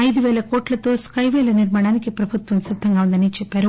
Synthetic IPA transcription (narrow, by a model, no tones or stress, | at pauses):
ɐjd̪uʋɛːlɐkoːʈlɐt̪o̞ːskɐjʋɛːlɐniɾmaːɽaːnikipɾɐbʱut̪ʋɐmsid̪ʱːɐŋɡaːund̪ɐnit͡ʃɛpːaːɾu